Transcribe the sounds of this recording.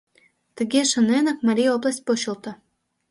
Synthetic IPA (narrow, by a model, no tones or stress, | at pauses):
t̪ə̆ɡʲeʃə̆nenə̆k̚mɑɾʲijoplˠasʲt̚ʲpoɕult̪ɤ̆